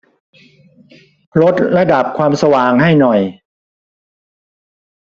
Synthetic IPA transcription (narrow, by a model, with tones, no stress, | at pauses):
ɾo˦˥t̪̚ɾa˧da˨˩p̚kʰwaː˧msa˧waː˧˩ŋɦa˥˩jnɔ˨˩j